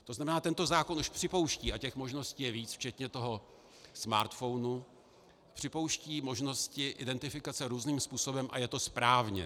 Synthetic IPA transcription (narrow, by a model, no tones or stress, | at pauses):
t̪o̞znamɛnaːt̪ɛnt̪o̞zaːko̞nʔuʃpr̝̥ɪpo̞wʃciːʔacɛxmo̞ʒno̞sciːjɛviːt͡sft͡ʃɛt̪ɲɛt̪o̞ɦo̞ | sma̰ːɾt̪fo̞wnu | pr̝̥ɪpo̞wʃciːmo̞ʒno̞scɪʔɪdɛnt̪ɪfɪkat͡sɛɾuːzniːmspuːso̞bɛmʔa̰jɛt̪o̞spɾaːvɲɛ̰